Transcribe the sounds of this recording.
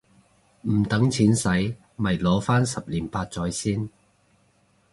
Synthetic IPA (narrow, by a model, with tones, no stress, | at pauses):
m̩˨˩t̪ɐ˨˥ŋt͡sʰiː˨˥nsɐ˨˥j | mɐ˨˩jlɔː˨˥faː˥nsɐ˨p̚liː˨˩npaː˧t̚t͡sɔː˨˥jsiː˥n